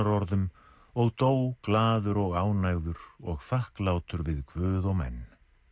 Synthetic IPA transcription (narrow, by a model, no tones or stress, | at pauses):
aɾɔɾðʏm | ɔɣt̪oːwklaːðʏɾɔɣaːwnajɣðʏɾɔɣθahklaːwt̪ʏɾvɪðkʰvʏːðɔɣmɛ̰nː